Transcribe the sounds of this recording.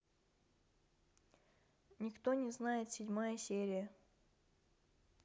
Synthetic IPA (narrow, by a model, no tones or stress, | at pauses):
nʲɪkt̪onʲɪznajɪt̪sʲɪdʲmajəsʲeɾʲɪjə